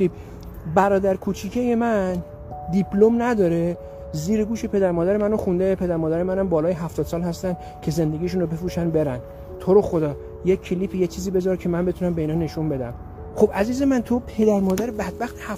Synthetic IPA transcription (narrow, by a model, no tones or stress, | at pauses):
ip | bæɾɒːd̪æɾkʰut͡ʃʰiːcʰejemænn | d̪ipʰlo̞mnæd̪ɒːɾe̞ | ziːɾeɡuːʃepʰe̞d̪æɾmɒːd̪æɾemænoxund̪epʰe̞d̪æɾmɒːd̪æɾemænæmbɒːlɒːjeɦæft̪ɒd̪sɒːlhæst̪ænd̪ | cʰe̞ze̞nd̪e̞ɡʲiʃ̬uːnobe̞fɾuːʃænbe̞ɾæn | t̪ʰo̞ɾoxo̞d̪ɒː | jeːeliːpʰijet͡ʃʰiːziːbe̞zɒːɾcʰe̞mænbe̞t̪ʰunæmbe̞iːnɒːne̞ʃunbe̞d̪æ̰m | xo̞bʔæziːze̞mænt̪ʰopʰe̞d̪æɾmɒːd̪æɾebæd̪̚bæxt̪ʰehæ